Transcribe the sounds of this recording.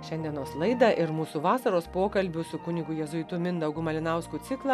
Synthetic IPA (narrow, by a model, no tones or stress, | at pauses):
ʃʲɛnʲd̪ʲiɛnoːslˠɐɪd̪ɐʔɪɾmuːsuʋɑːsɐɾoːspoːkɐlʲbʲʊsʊkʊnʲɪɡʊjɛzʊɪt̪ʊmʲɪnd̪ɐʊɡʊmɐlʲɪnɐˑʊskʊt̪ʲɪklˠɑ